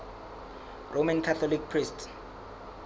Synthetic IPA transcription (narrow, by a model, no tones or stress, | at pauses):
rʔomankʰat̪ɔlik̚pʰrist